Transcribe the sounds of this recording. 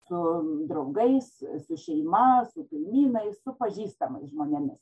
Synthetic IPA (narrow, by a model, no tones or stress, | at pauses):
sʊd̪ɾɐʊɡɐɪssʊʃʲɛɪmɐsʊkɐɪmʲiːnɐɪssʊpɐʒʲiːst̪ɐmɐɪsʒmoːnʲɛmʲɪs